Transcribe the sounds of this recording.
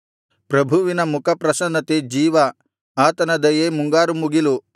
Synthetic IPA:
pɾɐbʱuʋinɐmukʰɐpɾɐsɐnɐt̪ed͡ʒiːʋɐ | aːt̪ɐnɐd̪ɐjeːmuŋɡaːɾumuɡilu

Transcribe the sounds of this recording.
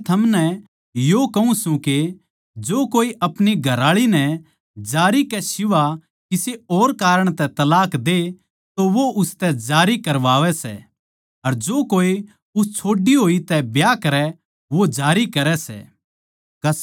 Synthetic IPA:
t̪ʰɐmnɛ | jokɐũsũke | d͡ʒoːkoːiʔɐpɽiɡʱɐɾaːɭinɛ | d͡ʒaːɾikɛsɪʋa | kɪseoːɾkaːɾəɽ̃t̪ɛt̪ɐlaːkd̪e | t̪oʋoʔʊst̪ɛd͡ʒaːɾikɐɾʋaːʋɛsɛ̰ | ɐɾd͡ʒoːkoːi | ʊst͡ʃʰoːɖiɦoːit̪ɛbjakɐɾɛ | ʋod͡ʒaːɾikɐɾɛsɛ̰ː | kɐ

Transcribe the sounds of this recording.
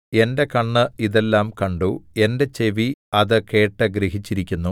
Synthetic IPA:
e̞nde̞kɐɳːɨiðe̞lːaːmkɐɳɖue̞nde̞t͡ɕe̞ʋiɐðɨke̞ːʈːɨɡɾeɦit͡ɕːiɾikʲːunːu

